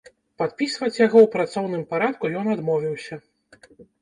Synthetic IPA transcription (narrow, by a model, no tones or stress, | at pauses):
pat̪̚pʲisvɐt͡sʲjaɣɔwpɾat̪sɔwnɨmpaɾat̪̚kujɔnad̪mɔvʲiwsʲɐ